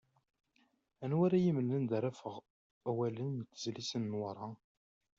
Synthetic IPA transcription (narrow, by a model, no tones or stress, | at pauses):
ænwæɾajiməlːənd̪æɾæfəʁ | æwælənt̪ːəzlisənːwəɾˤɑ